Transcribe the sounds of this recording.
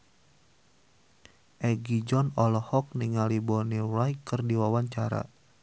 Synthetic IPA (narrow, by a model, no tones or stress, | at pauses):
ʔɛɡid͡ʒɔnɔlɔhɔk̚niŋalibɔnirajkɨrdiwawaɲt͡ʃaɾa̰